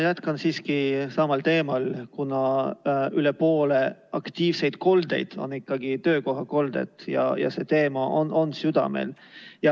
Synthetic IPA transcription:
jæt̪kɑnsiːskisɑmɑlt̪e̞ːmɑlkunɑ | ylepo̞ːle̞ɑkt̪iːvse̞jd̪̥ko̞ld̪e̞̰jd̪̥o̞̰nːikːɑɡit̪øːko̞ɦɑko̞ld̪̥e̞̰t̪jɑ̰jɑ̰se̞t̪e̞ːmɑʔo̰nʔo̞nsyd̪̥ɑ̰mḛljɑ

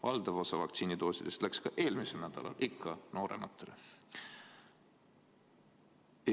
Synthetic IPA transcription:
vɑld̪̥ɑvo̞sɑvɑkt̪siːnid̪o̞ːsid̪̥e̞st̪lækskɑʔe̞ːlmise̞lnæd̪̥ɑ̰lɑ̰lʔikʰːˑɑno̞ːɾe̞̰mɑt̪ːˑe̞le

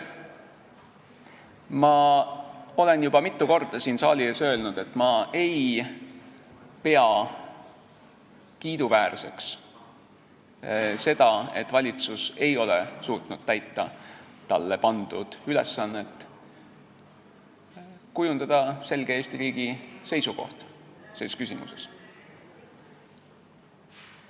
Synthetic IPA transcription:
mɑ | o̞le̞njub̥ɑmit̪ːˑuko̞rd̪̥ɑsiːnsɑːlʲiesø̞ːlnud̪̥e̞t̪ːˑmɑe̞j | pe̞ɑ | kiːd̪̥uvæːrse̞ks | se̞d̪̥ɑe̞t̪ːˑvɑlʲit̪suse̞jo̞lḛsuːt̪nud̪̥̚t̪æjt̪ːɑ | t̪ɑlːe̞pɑnd̪̥ud̪̥yle̞̰sːɑnːe̞t̪ː | kujund̪ɑd̪̥ɑse̞lɡ̥eeːst̪iɾiːɡ̥ise̞jsuko̞̰ht̪seːskysʲimṵses

